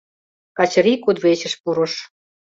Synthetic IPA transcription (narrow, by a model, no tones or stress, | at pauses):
kɑt͡ɕ̆ɾikud̪βet͡ɕə̆ʃpuɾŏʃ